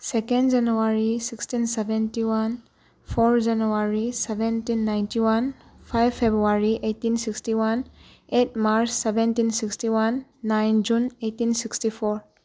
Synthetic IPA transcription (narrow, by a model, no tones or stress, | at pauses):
sekɛndd͡ʒanuaɾisikstinsebɛntiwan | pʰɔɾd͡ʒanuaɾisɛbentinːajntiwanpʰajbpʰːebɾuaɾiʔetːinsikstiwan | et̚maɾsːebentinsikstiwanːajnd͡ʒunetːinsikstipʰɔɾ